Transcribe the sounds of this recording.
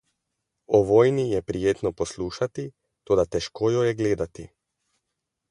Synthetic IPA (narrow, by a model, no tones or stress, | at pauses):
oʋojnijɛpɾijet̪noposlˠuːʃat̪i | t̪od̪at̪ɛʃkojojeɡleːd̪at̪ḭ